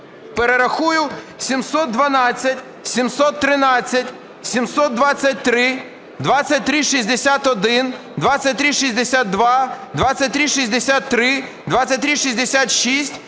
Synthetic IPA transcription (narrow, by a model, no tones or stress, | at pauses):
peɾeɾɐxujʊ | sʲimsɔt̪̚d̪ʋɐnɑt͡sʲːɐtʲ | sʲimsɔt̪ːɾɪnɑt͡sʲːɐtʲ | sʲimsɔt̪̚d̪ʋat͡sʲːɐt̚ʲt̪ɾɪ | d̪ʋat͡sʲɐt̚ʲt̪ɾɪʃizʲd̪esʲat̪ɔd̪ɪn | d̪ʋasʲɐt̚ʲt̪ɾiʃizʲd̪esʲat̪̚d̪ʋɑd̪ʋat͡sʲːɐt̚ʲt̪ɾiʃizʲd̪esʲat̪ːɾɪ | d̪ʋat͡sʲɐt̚ʲt̪ɾiʃizʲd̪esʲat̪ʃisʲtʲ